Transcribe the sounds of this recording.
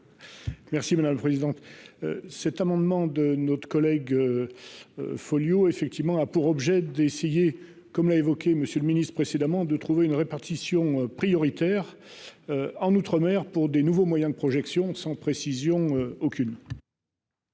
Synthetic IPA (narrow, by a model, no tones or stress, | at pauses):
mɛʁsimad̪amləpχezid̪ɑ̃t̪ | sɛt̪amɑ̃d̪mɑ̃d̪ənɔt̪χə̥kɔlɛɡø̰ | fɔljoefɛk̚t̪ivmɑ̃apuʁɔbʒɛd̪eseje | kɔmlaevɔkʲeməsjøləminist̪χəpχesed̪amɑ̃d̪ət̪χuveynʁepaʁt̪isjɔ̃øpχijɔʁit̪ɛʁ | øɑ̃nut̪χəmɛʁpuʁd̪enuvomwajɛ̃d̪əpχɔʒɛksjɔ̃sɑ̃pχesizjɔ̃øokʲyn